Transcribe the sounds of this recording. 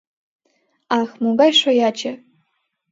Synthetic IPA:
ɑxmuɡɑjʃojɑt͡ɕɘ̆

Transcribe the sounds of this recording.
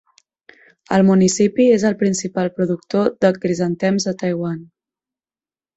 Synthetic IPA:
əlˠmunisipiezəlˠpɾinsipalˠpɾuðuk̚t̪oðəkɾizənt̪ɛmzət̪əjɣwan

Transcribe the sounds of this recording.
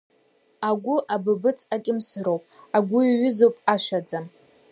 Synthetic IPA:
aɡʷʊʔabɨbɨt͡sʰʼakʲʼɪmsɨɾowpʼaɡʷʊiɥʏzowpʼaʃʷᶣad͡zam

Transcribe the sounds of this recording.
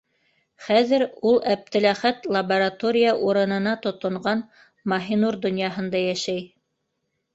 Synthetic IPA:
χæðɘɾulˠæp̚t̪ɘ̆læχæt̪lˠɐbɐɾat̪oɾʲɪjaʔuɾɤ̆nɤ̆nɑt̪ŏt̪ŏɴɢɑn | mɐɦinuɾd̪ŏnjɑɦɤ̆nd̪ɑjæʃæj

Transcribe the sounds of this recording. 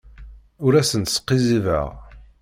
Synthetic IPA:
ʊɾæsənt̪sqːizivə̰ʁ

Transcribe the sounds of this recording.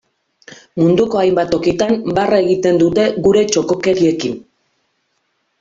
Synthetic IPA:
mund̪uko̞ajmbat̪o̞kit̪ambarae̞ɣit̪e̞nd̪ut̪e̞ɣuɾe̞t͡ʃo̞ko̞ke̞ɾie̞kin

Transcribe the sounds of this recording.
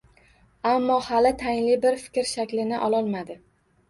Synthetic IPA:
amːɒhalɪt̪ʰajɪnlɪbɪɾfɪ̥kʲɾʃakʲlɪnɪʔɒlˠɒlˠmad̪ɪ

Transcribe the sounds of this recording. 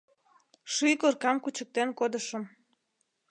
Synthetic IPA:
ʃyjkorkɑmkut͡ɕək̚t̪enkod̪əʃəm

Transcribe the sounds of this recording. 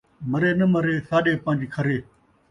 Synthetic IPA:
məɾeːnəməɾeːsaːɗeːpə̃ːd͡ʒkʰəɾeː

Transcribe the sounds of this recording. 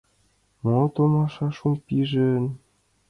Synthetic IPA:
mot̪omɑʃɑʃumpiʒɘ̆n

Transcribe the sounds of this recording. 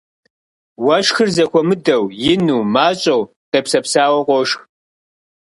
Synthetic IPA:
wɐʃxɨrzɐxʷʰɔmɨdɐwjɪnuːmaːt͡ʃʼɐw | qeːpsɐpsaːwɐqʷɔʃx

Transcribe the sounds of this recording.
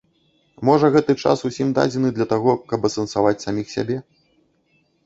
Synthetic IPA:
mɔʐɐɣɛt̪ɨt͡ʂa̰susʲimd̪a̰d͡zʲɛnɨd̪lʲɐt̪aɣɔkɐbɐsɐnsavat͡sʲsamʲixsʲa̰bʲɛ

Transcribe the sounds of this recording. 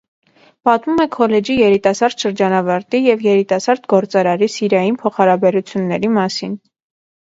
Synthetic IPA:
pɑt̪mumɛkʰɔlɛd͡ʒijɛɾit̪ɑsɑɾd̪̥ʃəɾd͡ʒɑnɑvɑɾt̪ijɛvjɛɾit̪ɑsɑɾd̪ɡɔɾt͡sɑɾɑɾisiɾjɑjinpʰɔχɑɾɑbɛɾut͡sʰjunːɛɾimɑsin

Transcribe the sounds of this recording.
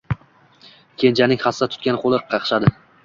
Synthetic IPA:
kʲʰe̞nt͡ʃʰanɪŋʲχasat̪ʰʊ̥kʲanqʰolˠɪɾqʰɑqʃad̪ɪ

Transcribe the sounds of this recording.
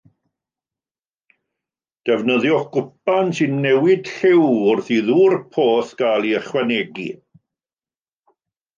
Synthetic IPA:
d̥ɛvnəðjɔɡ̥ʊp̚ansɪnːɛwɪd̥ɬɪwʊrθiðuːrpʰoːθɡ̥alˠiəχwɛnɛɡḭ

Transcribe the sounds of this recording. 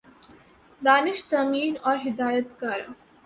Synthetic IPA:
d̪aniʃt̪ɐmiːnɔɦid̪aːjət̪kaɾ

